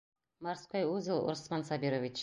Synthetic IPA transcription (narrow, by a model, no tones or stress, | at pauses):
mɑɾsqojwɵzɪlˠʊ̰ɾsmɑnsabiɾovʲit͡ʃ